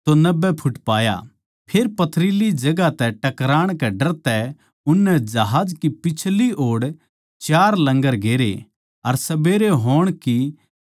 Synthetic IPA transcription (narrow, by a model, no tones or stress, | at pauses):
t̪onɐbːɛpʰʊʈpaːja̰ | pʰeːɾpɐt̪ʰɾilid͡ʒɐɡat̪ɛʈɐkɾaːɽ̃kɛɖɐɾt̪ɛ | ʊnːɛd͡ʒɐɦaːd͡ʒkipɪt͡ʃʰlioːɽ | t͡ʃaːɾlɐ̃ŋɡəɾɡeːɾḛ | ɐɾsɐbeːɾeɦoːɽ̃ki